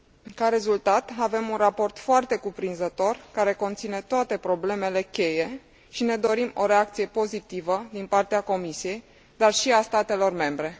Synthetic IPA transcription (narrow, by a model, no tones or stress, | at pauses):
kaɾe̞zult̪at̪ave̞munrapo̞rt̪foart̪e̞kupɾinzət̪o̞rkaɾe̞ko̞nt̪sine̞t̪oat̪e̞pɾo̞ble̞me̞le̞kʲe̞je̞ | ʃine̞d̪o̞ɾimo̞ɾe̞ak̚t̪sije̞po̞zit̪ivəd̪inpart̪eako̞misije̞j | d̪arʃiast̪at̪e̞lo̞rme̞mbɾe̞